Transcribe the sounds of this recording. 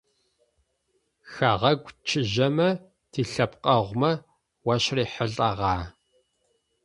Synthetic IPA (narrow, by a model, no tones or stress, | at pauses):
xaʁɐɡʷt͡ʃʰɪʑɐmɐ | tʰiːɬɐpqʼɐʁʷmɐ | wɐʃriːħəɮʼɐʁɑː